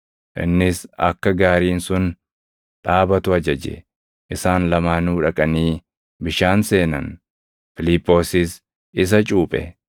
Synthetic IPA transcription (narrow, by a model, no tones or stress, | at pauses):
ʔɪ̰nːɪsɐ̰kːɐɡaːɾiːnsʊn | ᶑaːbɐt̪ʊɐd͡ʒɐd͡ʒɛ̰ | ʔɪsaːnlɐmaːnuːᶑɐkʼɐniː | bɪʃaːnse̞ːnɐ̰n | fɪlɪpːo̞ːsɪs | ɪs̬ɐt͡ʃʼuːpʼɛ̰